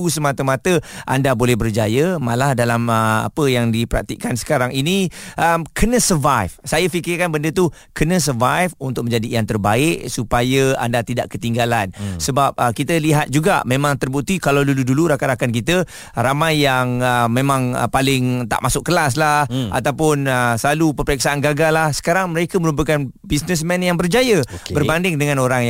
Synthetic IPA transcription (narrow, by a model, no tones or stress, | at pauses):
usəmat̪əmat̪əʔandabolɛhbərd͡ʒajəmalahdalaməa̰pəjaŋdipəɾa̰k̚t̪ḭʔkansə̥kaɾaŋiniʔəmkʰənə̃səvajfsajəfikɪrkanbəndət̪u | kənə̃s̬ərvajfunt̪ʊk̚mə̃ɲd͡ʒadijaŋt̪ərbaɪʔsupajəa̰ndat̪idaʔkət̪iŋɡalansəbap̚əkit̪əliɦat̪̚d͡ʒuɡa̰mẽmãŋt̪ərbut̪ikalawduluduluɾakaɾakank̬it̪ə | ɾamajːaŋəmẽmãŋə̰palɪŋt̪a̰ʔmasʊk̚kːəlas̬laha̰t̪awpʊnəsəlalupəmpəɾik̚saanɡaɡalahsə̥kaɾaŋməɾekəmə̃ɾup̬əkan | bisnəs̬mɛ̃njaŋbərd͡ʒajəbərbandɪŋdəŋãnoɾaŋj